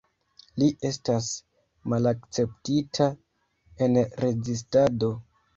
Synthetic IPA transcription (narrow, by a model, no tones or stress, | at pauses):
liʔe̞stas | malakt͡se̞ptitʰa | e̞nɾe̞zis̬tado̞